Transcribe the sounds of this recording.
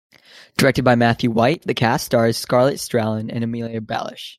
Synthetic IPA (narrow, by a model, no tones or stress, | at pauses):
d̥ə˞ɛk̚tɨd̚baɪmæθjʉwaɪt̪̚ðɨkʰæstɑɹɨz̥skɑɹlˠɨtstɹ̥ælˠə̃nɨ̰̃nɨmilˠiɨbæ̰lˠɪ̰ʃ